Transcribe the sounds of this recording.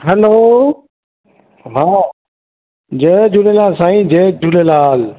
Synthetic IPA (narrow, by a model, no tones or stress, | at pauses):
ɦɛloː | ɦaː | d͡ʑeːd͡ʑulelaːlsãːĩd͡ʑeːd͡ʑulelaːl